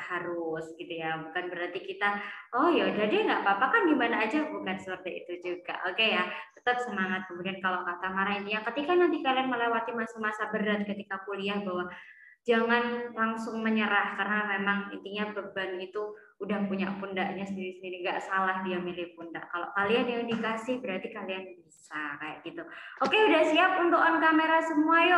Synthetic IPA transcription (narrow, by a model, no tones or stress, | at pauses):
haɾʊsɡit̪ujabukanbəɾart̪ikit̪aɔjadadaŋɡaʔpapakandimanaːd͡ʒabukansəpərt̪aḭt̪ud͡ʒuɡa̰ʔokejat̪ə̥t̪əp̚səmaŋat̪̚kəmudiankalokat̪amaɾaint̪iɲakət̪ikanant̪ikalianməlewat̪imasamasabəɾat̪̚kət̪ikapuliahbawa | d͡ʒaŋanlaŋsʊŋməɲəɾahkarənamemaŋḭnt̪iɲabəbanit̪uː | dahpuɲa̰punda̰ʔɲasəndiɾisəndiniɡa̰ʔsalahdiamilɪhpunda̰ʔkalo̰ʔkalianjauŋdikasɪhbəɾat̪ikalianbisakaja̰ʔɡ̥it̪uokeudahsiap̚unt̪okɔnkameɾasəmuaj